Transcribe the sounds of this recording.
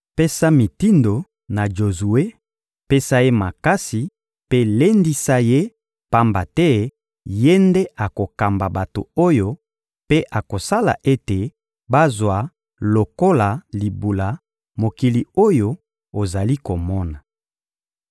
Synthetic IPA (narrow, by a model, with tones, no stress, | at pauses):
pe˦sa˦mi˨ti˦ndo˨ | na˨d͡ʒo˨zu˨e˦ | pe˦sa˦je˦ma˨ka˦si˨ | pe˦le˦ndi˦sa˦je˦ | pa˦mba˨tɛ˦ | je˦nde˦ʔa˨ko˨ka˨mba˨ba˨to̰˨o˦jo˦ | pe˦ʔa˨ko˨sa˦la̰˨ʔe˦te˨ | ba˦zwa˨ | lo˨ko˦la˨li˨bu˨la˨ | mo˨ki˨li˨o˦jo˦ | o˨za˨li˦ko˨mɔ˦na˨